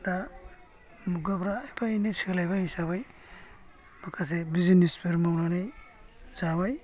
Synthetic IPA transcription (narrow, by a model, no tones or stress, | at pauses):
da | muɡapɾaːjpʰajnesikalajbaisaβaj | makʰas̬ebizinispʰeɾmawnanajzaβaj